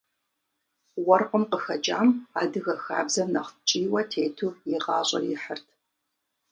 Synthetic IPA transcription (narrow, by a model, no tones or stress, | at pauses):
wɔrqʷəmqəxɐd͡ʒʼa̰ːmaːdɨɣɐxa̰ːbzɐnɐχt͡ʃʼiːwɐtʰeːjtʰuːjɪʁɑːɕʼɐ̰rjɪħərtʰ